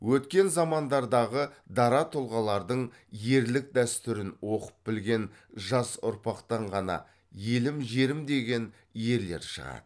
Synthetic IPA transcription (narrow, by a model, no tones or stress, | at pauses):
wɵt̪kʲe̞nzɑmɑnd̪ɑɾd̪ɑʁəd̪ɑɾɑt̪ʰolˠʁɑlˠɑɾd̪əɴ | je̞ɾlɪk̚d̪æst̪ʏɾɪnwo̞qə̥p̚bɪlɡʲe̞nʒɑsʊ̰ɾpɑqt̪ɑɴʁɑnɑ̰ | je̞lɪmʒe̞ɾɪmd̪e̞ɡʲe̞n | je̞ɾle̞̰ɾʃə̰ʁɑ̰d̪̥ə